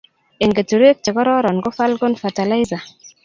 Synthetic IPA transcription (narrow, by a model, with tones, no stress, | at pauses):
e˨ŋɡe˨tu˨ɾe˦k̚t͡ʃe˨kɔ˦ɾɔ˦ɾɔ˨nɡɔ˦fa˦lko˦nfa˨ta˨la˦jza˨